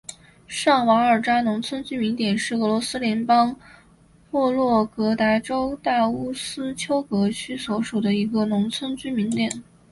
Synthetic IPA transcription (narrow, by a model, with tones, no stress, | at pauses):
ʂɑ˥˩ŋwɑ˧˥ŋə˞˨˩ʈ͡ʂa˥nʊ˧˥ŋt͡sʰwə˥nt͡ɕy˥mi˧˥nt̪jɛ˨˩nʂɻ̩˥˩ɤ˧˥lwɔ˧˥sɹ̩˥ljɛ˧˥npɑ˥ŋ | pwɔ˥˧lwɔ˥˩kɤ˧˥t̪a˧˥ɪʈ͡ʂo˥ʊt̪a˥˩u˥sɹ̩˥t͡ɕʰjo˥ʊkɤ˧˥t͡ɕʰy˥swɔ˧˥ʂu˨˩d̪ə˦i˧˥ɡə˧nʊ˧˥ŋt͡sʰwə˥nt͡ɕy˥mi˧˥ŋt̪jɛ˨˩˦n